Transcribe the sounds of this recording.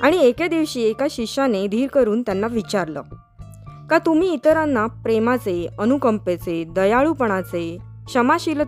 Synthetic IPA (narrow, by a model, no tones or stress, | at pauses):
aɽ̃ieked̪iʋɕiːekaɕikɕaned̪ʱiːɾkəɾuːnt̪janːaʋit͡ɕaɾlə̰ | kat̪um̤iːt̪əɾanːapɾemat͡seənukəmpet͡sed̪əjaɭupəɳ̃at͡se | ɕəmaɕil